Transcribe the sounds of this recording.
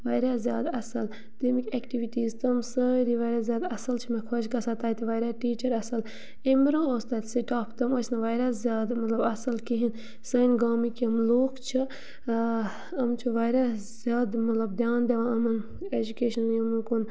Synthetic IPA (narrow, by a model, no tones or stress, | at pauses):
ʋaːjɾaːzjaːd̪ɐsɐl | t̪imikʲeːkʈiʋiʈiːzt̪ɐmsəɾiʋajɾʲjaːzjaːd̪ɐsɐlt͡ʃʰimẽkʰot͡ʃkɐsat̪aːit̪iʋɐːjɾaːʈiːt͡ʃɐɾɐsɐl | emɾõoːst̪aːt̪siʈaːpʰt̪ɐmoːsnɐʋaːjɾʲazjaːd̪mɐt̪lɐbɐsɐlkiɦin | sɐnʲɡaːmikiɐmloːkt͡ʃʰi | ɐmt͡ʃʰuʋaːjɾazʲjaːd̪mɐt̪lɐb̚d̪jaːnd̪eʋãːɐmɐn | ed͡ʒukeːʃɐnɐmɐnkun